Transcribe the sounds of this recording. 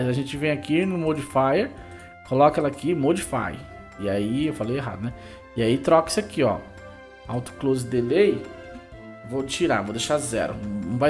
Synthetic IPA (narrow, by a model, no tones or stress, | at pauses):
zaʒẽt͡ʃɪvẽj̃akinʊmod͡ʒifajeɾ | kolɔkɐɛlɐkimod͡ʒifa̰j̰ | ɪaiewfalejeɦa̰d̪ʊnɛ | ɪait̪ɾɔkɐ̥sɪakiɔ̰ | awt̪ʊ̥klozɪd̪elej | vot͡ʃiɾavod̪eʃazɛ̰ɾʊ̰nɐ̃w̃va